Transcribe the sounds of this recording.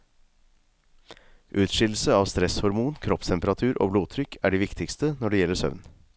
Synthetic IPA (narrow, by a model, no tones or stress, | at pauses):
ʔʉːt̪ʃɪl̩səɑːʋst̪ɾɛshɔɾmuːnkʰɾɔpst̪ʰɛmpəɾɑt̪ʰʉːɾʔo̰ːbloːt̪ʰɾʏkʰæːɖiːʋɪkt̪ʰɪkst̪ənɔɖeːjɛlːəsœ̰ʋn